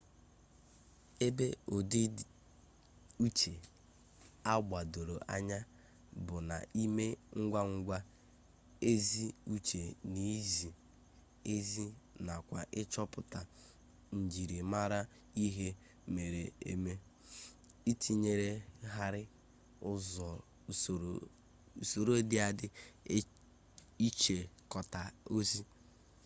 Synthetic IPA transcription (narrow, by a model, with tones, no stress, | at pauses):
e˦be˦o˨di˦ | u˦t͡ʃe˨ | a˦ɡ͡ba˨do˨ɾo˨ʔa̰˦ɲa˦ | bʊ˨na̰˨ʔi˦me˦ŋ̩˦ɡʷa˦ŋ̩˦ɡʷa˦ | e˦zi˦u˦t͡ʃe˨ni˨˦zi˨ | e˦zi˦na˨kʷa̰˨ʔɪ˦t͡ʃɔ˦pʊ˦˨ta˨ | n̩˨d͡ʒi˨ɾi˨ma˦ɾa˦ | i˦ɦe˦ | me˨ɾe˨ḛ˦me˦ | i˦tʰi˨ɲe˨ɾe˦ɦa˦ɾɪ˦ | ʊ˦zɔ˨ | u˨so˨ɾo˦dɪ˦a˨dɪ˦ | i˦t͡ʃe˨kɔ˨ta˨o˦zi˦